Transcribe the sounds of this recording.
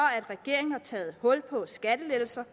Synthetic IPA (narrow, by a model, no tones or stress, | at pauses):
ɒæd̥ʁɛɡ̥e̝ɐ̰e̝ŋn̩hɑ̈t͡sʰɛːð̩ˠhɔ̽l̰pʰɒ̽sɡ̥æd̥əled̥l̩sɐ